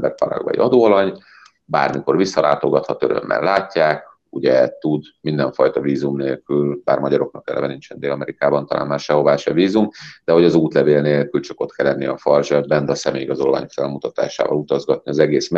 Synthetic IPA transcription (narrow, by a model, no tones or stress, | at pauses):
bɛrpɒɾɒ̰ɡbɒ̰jiʔɒd̪oːɒɾɒɲ | ba̰ːrmiko̞rvisːɒlʔaːt̪o̞ɡɒt̪hɒt̪øɾø̰mːɛ̰nlaːcːaːk | uɟɛt̪ud̪mind̪ɛɱfɒjt̪ɒviːzumneːlkylbaːrmɒɟɒɾok̚nɒkɛ̰lɛ̰vɛnint͡ʃɛnd̪eːlɒmɛɾikaːbɒnt̪ɒlʔa̰ːnmaːrʃɛɦo̞vaːʃɛviːzumd̪̥ɛɦo̞ɟɒzuːt̪lɛveːlneːlkylt͡ʃɒko̞t̪kʰɛlːɛnːiɒfɒrʒɛd̪̚bɛnd̪ɛɒsɛmeːjiɡɒzo̞lva̰ːɲokfɛlmut̪ɒt̪a̰ːʃa̰ːvɒ̰lut̪ɒzɡɒt̪̚niɒzɛɡeːs